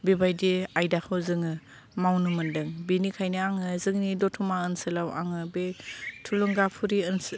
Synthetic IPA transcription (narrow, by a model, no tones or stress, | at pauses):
bibajdiajdakʰɯwzɯŋɯ | mawnumɯndɯŋbinikʰajniaŋɯzɯŋnidɔtʰumaənsɯlawʔa̰ŋɯbetʰuluŋɡapʰuɾiɯns